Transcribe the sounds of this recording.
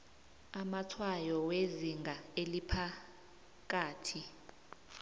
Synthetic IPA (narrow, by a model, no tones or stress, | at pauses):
amatʰwajɔweziŋɡʱaelipʰa | k̬aːtʰi